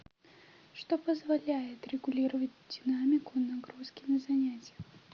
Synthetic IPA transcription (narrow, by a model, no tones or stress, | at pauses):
ʂt̪ɔpɐzvalʲajɛt̪rʲɛɡulʲiɾɐvɐd͡zʲd̪ʲinamʲikunaɡɾuskʲinɐzanʲat͡sʲjɛ